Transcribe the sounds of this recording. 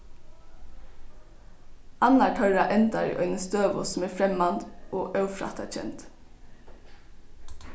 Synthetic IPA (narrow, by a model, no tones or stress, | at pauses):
ʔɑnɑʈʰœʉɹɑʔɛnt̪ɑɾḭʔœʏnəsd̪øːʋo̰sm̩eːfɾɛmɑnd̪ʔoːʔɑʉfɾɑ̰t̪ɑc͡çɛ̰nt̪